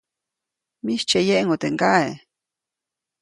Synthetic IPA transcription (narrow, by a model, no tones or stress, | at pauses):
miʃt͡ʃejeʔŋot̪eŋkae